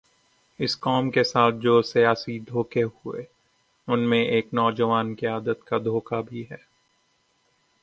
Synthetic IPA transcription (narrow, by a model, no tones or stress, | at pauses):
ɪskɔːmkesaːt̪̚ʰd͡ʒoːsijaːsid̪ʱoːkeɦʊḛ | ʊnmẽʔeːknɔːd͡ʒəʋaːnkiaːd̪ət̪kad̪ʱoːkabʱiɦɛː